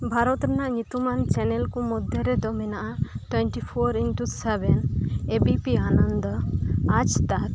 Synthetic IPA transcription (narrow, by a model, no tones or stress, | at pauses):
bʱaɾɔt̪ɾɛnaʔɲut̪umant͡ʃɛnɛlkɔmɔd̪ʱjɔɾɛd̪ɔmɛnaʔaʈwɛɳʈipʰɔɾinʈusɛbɛnebipianɔnd̪ɔad͡ʒt̪aɾ